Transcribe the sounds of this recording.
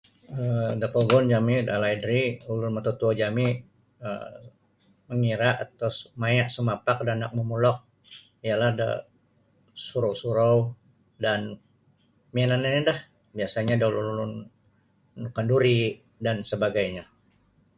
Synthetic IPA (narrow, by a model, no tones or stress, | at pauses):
ədapɔɡɔnd͡ʒamidalaidɾiulʊnmat̪ot̪uad͡ʒami | ə̰ | məŋiɾaʔat̪asmajaʔsəmapak̚danak̚məmulɔk̚ | ijalahda̰ | suɾowsuɾow | dan | miananinidah | biasaɲadaulululʊn | kanduɾi | dansəbaɡajɲa